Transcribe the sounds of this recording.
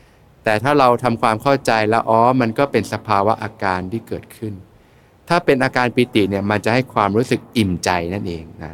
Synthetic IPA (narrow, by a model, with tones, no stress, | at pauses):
t̪ɛː˨˩t̪ʰaː˥˩ɾa˧wt̪ʰa˧mkʰwaː˧mkʰa˥˩wt͡ɕa˧jlɛ˦˥wʔɔː˦˥ma˧nkɔː˥˩pe˧nsa˧pʰaː˧wa˦˥ʔaː˧kaː˧nt̪ʰiː˥˩kɤː˨˩t̪̚kʰɯ˥˩n | t̪ʰaː˥˩pe˧nʔaː˧kaː˧npiː˧t̪i˨˩ni˥˩ɐma˧nt͡ɕa˨˩ha˥˩jkʰwaː˧mɾuː˦˥sɯ˨˩k̚ʔi˨˩mt͡ɕa˧jna˥˩nʔeː˧ŋna˦˥